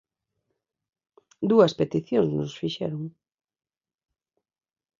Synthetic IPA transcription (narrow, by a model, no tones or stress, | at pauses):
d̪uɐspet̪iθjoŋzsnosfiʃɛ̰ɾʊŋ